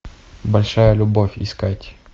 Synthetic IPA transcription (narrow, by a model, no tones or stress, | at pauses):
bɐlʲʂajəlʲʊbofʲɪ̰skatʲ